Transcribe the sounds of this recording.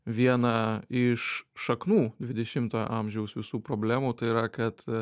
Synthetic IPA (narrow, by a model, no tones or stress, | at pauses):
ʋʲiɛnɐɪʃːɐknuːd̪ʲʋʲɪd̪ʲɛʃʲɪmt̪ɐːʔɐmʲʒʲɛʊsʋʲɪsuːpɾoːbʲlʲæːmuːt̪ɐɪiɾɐkɐt̪